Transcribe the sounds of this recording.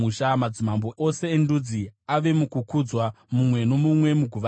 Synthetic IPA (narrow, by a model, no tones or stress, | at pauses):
uʃamad͡zimamboʔo̞se̞ːndud͡ziaʋe̞mukukud͡zwa | mumwe̞no̞mumwe̞muɡʱuʋ